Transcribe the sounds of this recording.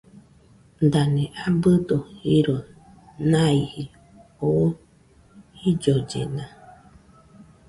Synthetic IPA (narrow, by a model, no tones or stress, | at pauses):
d̪anẽʔabɨd̪ohiɾo | nãihi | o | hid͡ʒod͡ʒḛnã